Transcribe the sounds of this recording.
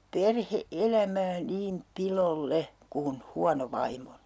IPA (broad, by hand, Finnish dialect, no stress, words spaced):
perheelæmæː niːm pilolːe kun huɑno ʋɑimːo